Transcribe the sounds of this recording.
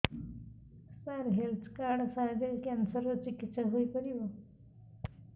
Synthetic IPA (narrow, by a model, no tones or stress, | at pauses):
st̪aɾɦelt̪ʰkaɾɽsãːd͡ʑekansəɾot͡ʃikit̪ːɕəɦoipəɾiʋo